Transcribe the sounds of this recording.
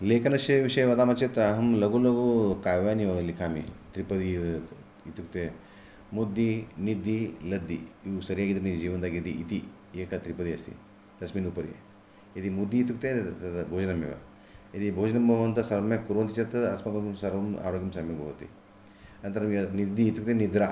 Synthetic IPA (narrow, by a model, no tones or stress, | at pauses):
lekɐnɐɕeʋiʂɐjʋɐd̪amat͡ʃet̪ɐɦɐmlɐɡulɐɡukaːjʋaniʋɐlikʰamit̪ɾipɐd̪i | it̪ukt̪e | mud̪ːinid̪ːilɐd̪ːḭiusɐɾjaɡid̪ɾnid͡ʒiːʋɐnd̪aɡet̪iit̪i | ekat̪ɾipəd̪iɐst̪ḭ | t̪ɐsmiːnupɐɾḭ | jit̪imud̪ːiːt̪uk̚t̪ebʱoːd͡ʒnɐmːḭʋa̰ | ɐt̪ibʱoːd͡ʒnɐmbɐʋɐnt̪ɐsɐɾmekuɾoːnt̪it͡ʃet̪ɐɐsmɐksɐɾɐma̰ːɾoːɡjɐmsamɐbʱɐɦot̪ḭ | ɐnt̪ɐɾɐmjɐnid̪ːiit̪ukt̪enid̪ɾa